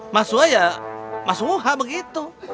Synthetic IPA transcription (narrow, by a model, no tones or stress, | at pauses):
masuajamasuuɦabəɡit̪u